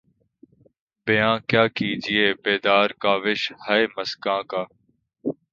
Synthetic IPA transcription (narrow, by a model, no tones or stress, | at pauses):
bɪjãːkjaːkiːd͡ʒieːbeːd̪aːɾkaːʋɪʃhaeːməskãːkaː